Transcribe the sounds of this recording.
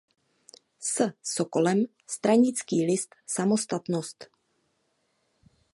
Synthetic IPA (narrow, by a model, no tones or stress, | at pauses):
səsokolɛm | st̪ɾaɲɪt͡skiːlɪst̪samost̪at̪nost̪